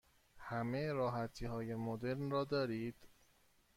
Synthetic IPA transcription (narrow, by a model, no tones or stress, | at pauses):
hæmeɾɒːɦæt̪ʰiːhɒːje̞mod̪e̞ɾnrɒːd̪ɒːɾiːd̪̥